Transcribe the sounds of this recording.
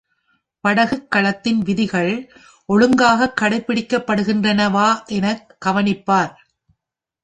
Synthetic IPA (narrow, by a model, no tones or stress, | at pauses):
pɐɽɐɣɯkːɐɭɐt̪ːɪnʋɪðɪɣɐɭ | ʔɔɻɯŋɡaːɣɐkːɐɽɐɪpːɪɽɪkːɐpːɐɽɯɣɪndrɐnɐʋaːʔɛnɐkːɐʋɐnɪpːaːɾ